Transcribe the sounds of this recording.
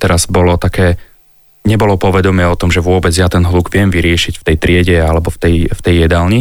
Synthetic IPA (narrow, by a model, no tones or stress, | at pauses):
t̪ɛɾaz̥bɔlɔt̪akɛː | ɲɛbɔlɔpɔʋɛd̪ɔmɪɛɔt̪ɔmʒɛʋʊɔbɛd͡zjat̪ɛnɦlˠuɡʋɪɛmʋiɾɪɛʃicft̪ɛjt̪ɾɪɛɟɛalɛbɔft̪ɛjft̪ɛjːɛd̪alɲi